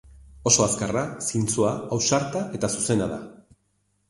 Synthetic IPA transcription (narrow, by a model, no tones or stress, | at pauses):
o̞so̞askarasint͡suaawsaɾt̪aʔe̞t̪asuse̞naða̰